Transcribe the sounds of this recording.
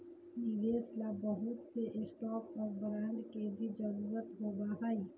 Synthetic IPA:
nɪʋeːslabəɦʊt̪seʔɪst̪ɔːpɔɾbɐɾãːnd͡ʒkebʱid͡ʒəɾuːɾət̪ɦoːbaɦaːi

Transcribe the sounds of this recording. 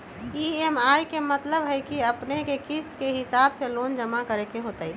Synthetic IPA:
iːemaːjkemɐt̪ləbɦɛkiɐpnekekɪskeɦɪsaːbseloːnd͡ʒɐmakəɾekeɦoːt̪aːi

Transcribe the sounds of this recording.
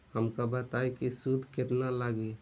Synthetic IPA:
həmkabət̪ajkisud̪ʱket̪nalaɡe

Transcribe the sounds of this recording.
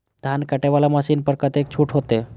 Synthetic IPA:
d̪̥ʱankaʈeʋalamaɕiːnpəɾkət̪ek̚t͡ɕʰuːʈɦot̪e

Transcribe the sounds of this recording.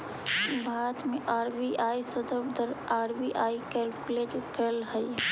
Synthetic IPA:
bʱaːɾət̪meʔaːɾbiʔaisəd̪əbd̪əɾaːɾbiʔaːikɛlkled͡ʒkelɦə

